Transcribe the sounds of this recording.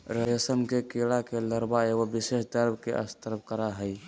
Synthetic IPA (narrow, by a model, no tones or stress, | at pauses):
ɾəjəsəmkekelakeləɾbaeɡobiseʃd̪əɾbkeʔə̰st̪əɾp̚kəɾaɦəi